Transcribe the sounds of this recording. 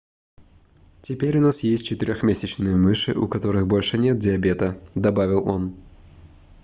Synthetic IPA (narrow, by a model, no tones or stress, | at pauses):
tʲɪpʲeɾʲʊnasjesʲtʲt͡ɕɪt̪ɨɾʲoxmʲesʲɪt͡ɕnɨjəmɨʂɨʔʊ̰kɐt̪o̞ɾɨxbo̞lʲʂɨnʲe̞t̪̚dʲɪɐbʲe̞t̪əd̪ɐbavʲɪlˠo̞̰n